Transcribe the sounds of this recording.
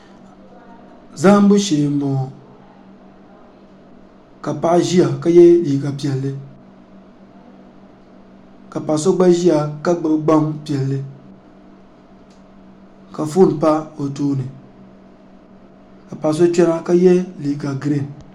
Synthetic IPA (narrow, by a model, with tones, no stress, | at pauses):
za˦m˦bu˦ʃeː˨mo˨ | ka˨pa˦˨ʔʒi˦a˨ka˦jɛ˦li˨ɡa˨pi˨ɛ˨lːɨ˦ | ka˨pa˨ʔs̬o˦ɡ͡ba˦ʒi˦a˨ka˦ɡ͡bɨ˨˦bɡ͡ba˦mpi˨ɛ˨lːɨ˦ | ka˨fu˦˨n˨pa˦o˨tuː˦nɨ˨ | ka˨pa˨s̬o˦t͡ʃɛ˦na˦ka˦jɛ˦li˨ɡa˨ɡɾe˦˨n˨